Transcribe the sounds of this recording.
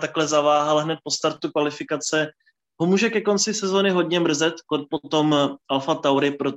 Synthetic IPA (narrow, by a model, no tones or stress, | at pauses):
t̪aklɛzavaːɦalɦnɛt̪̚po̞st̪aɾt̪ukvalɪfɪkat͡sɛ | ɦo̞muːʒɛkɛko̞nt͡sɪsɛzo̞ːnɪɦo̞d̪ɲɛmr̩zɛt̪kot̪̚po̞t̪o̞mʔalfat̪awɾɪpɾo